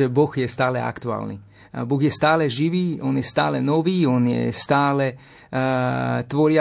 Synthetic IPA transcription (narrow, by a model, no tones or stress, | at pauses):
ɛbɔxjɛst̪aːlɛa̰kt̪ua̰ːlnḭ | boɣjɛst̪aːlɛʒiʋiːonjɛst̪a̰ːlɛnɔʋiːonjɛ̰st̪aːlɛ | t̪ʋoɾia